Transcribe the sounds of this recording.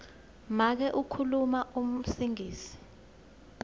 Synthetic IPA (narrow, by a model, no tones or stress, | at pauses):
mak̬ɛʔukʰulumaʔum̩siŋiːsi̥